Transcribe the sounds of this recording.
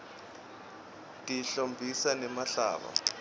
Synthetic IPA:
tʼiɬombʱisanɛmaɬa̰ːɓa̰

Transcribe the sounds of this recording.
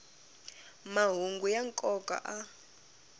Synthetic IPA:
maɦuŋɡujaŋkʼɔkʼa̰ʔa

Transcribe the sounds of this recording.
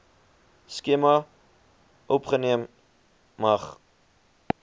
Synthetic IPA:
skemɐ | ʔɔpχəniəmː | ɐχ

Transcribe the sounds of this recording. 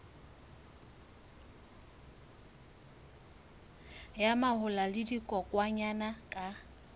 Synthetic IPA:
jamahʊlalɪdikʼɔkʼwaɲanakʼa

